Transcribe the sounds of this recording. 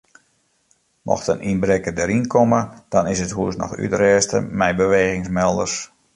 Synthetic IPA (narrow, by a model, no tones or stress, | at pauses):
mʔɔ̰xtənʔinbɾekədəɾinkʰoməd̥ɔnɪsəthuəsnɔ̰xy̰tərɛːstə̰mɛjbəʋeːɣɪŋsmɛlˠdərs